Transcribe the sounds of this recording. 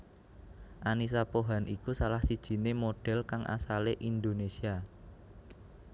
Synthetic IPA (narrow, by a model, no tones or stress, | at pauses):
ʔanis̬apoɦanʔikusalahsid̥ʒ̥i̤nemoɖ̥ɛ̤lkaŋʔa̰saleʔind̪onesia